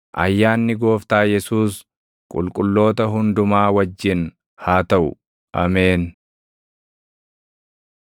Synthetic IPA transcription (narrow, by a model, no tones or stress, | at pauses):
ʔɐ̰jːaːnːɪɡo̞ːft̪aːjɛsuːs | kʼʊ̰lkʼʊlːo̞ːt̪ɐɦʊnd̪ʊmaːwɐd͡ʒːɪn | haːt̪ɐʔʊ̰ | ʔɐmeːn